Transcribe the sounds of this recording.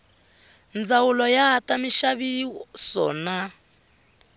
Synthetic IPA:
nd͡zawulɔjatamiʃaβisɔ̰ːna

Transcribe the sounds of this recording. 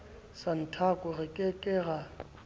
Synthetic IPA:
san̩tʰakʼʊrɪkʼɪkʼɪɣa

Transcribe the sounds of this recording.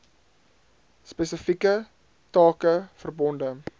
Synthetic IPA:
spɛsəfikə | tɑːkəfərbɔndə

